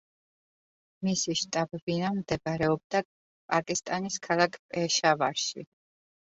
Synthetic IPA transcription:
misiʃt̪ʼabɛbinamd̪ɛbɾɛɔb̚d̪a | pʼakʼist̪ʼaniskʰalˠakʰpʼɛʃava̰ʃḭ

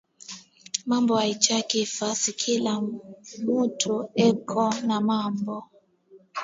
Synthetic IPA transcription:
mambɔait͡ʃakifasikʰilamutʰuɛkʰɔnamambɔ

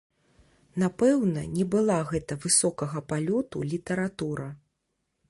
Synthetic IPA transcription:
napɛwnɐnʲɛbɨlˠaɣɛt̪ɐvɨsɔkɐɣɐpalʲɔt̪ṵlʲit̪ɐɾat̪uɾɐ

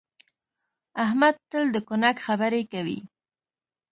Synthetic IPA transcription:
ahmad̪̚t̪əld̪əkʊnakxabəɾekawḭ

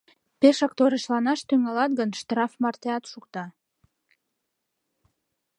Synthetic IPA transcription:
peʃɑk̚t̪oɾəʃlɑnɑʃt̪yŋɑlɑt̪̚ɡənʃt̪rɑfmɑrt̪eɑt̪ʃukt̪ɑ

